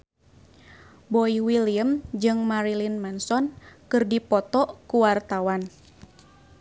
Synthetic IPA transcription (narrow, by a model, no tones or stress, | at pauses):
bɔiwiliəmd͡ʒɨŋmaɾilinmansɔnkɨrdipɔt̪ɔkuwart̪awan